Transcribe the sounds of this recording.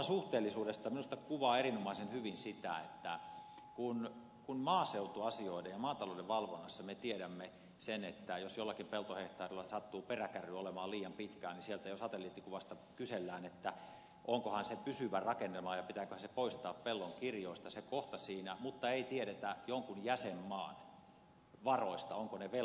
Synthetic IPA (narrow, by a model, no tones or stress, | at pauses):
suht̪eːlːisuːdest̪ɑminust̪ɑkuʋɑːeɾinomɑisenhyʋinsit̪æ̰ḛt̪ːæ | kun | kunmɑːseut̪uɑsioidejjɑmɑːnt̪ɑloudeʋʋɑlʋonːɑsːɑmet̪ieɾæmːe | senet̪ːæjosjolːɑkimpelt̪oheht̪ɑːrilːɑsɑt̪ːuːperækæryolemɑːliːjɑmpit̪kæːnisielt̪æjosɑt̪elːiːt̪ːikuʋɑst̪ɑ | kyselːæːnet̪ːæ | ʔoŋkohɑnsepysyʋærɑkenːemɑːjɑpit̪æːkøhænsepoist̪ɑːppelːoŋkirjoˑist̪ɑsekoht̪ɑsiːnæmut̪ːɑeit̪ieɾet̪æjoŋkunjæsemːɑːn | ʋɑroist̪ɑoŋkoneʋe